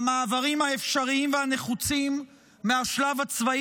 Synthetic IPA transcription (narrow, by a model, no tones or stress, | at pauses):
maːvaʁimaefʃaʁiimvehane̞χut͡simː | eaʃlavat͡sva